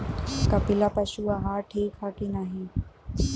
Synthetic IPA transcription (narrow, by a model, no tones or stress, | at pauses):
kɐpɪlapɐʃuaɦaːɾʈʰiːkʰaːkinaɦĩ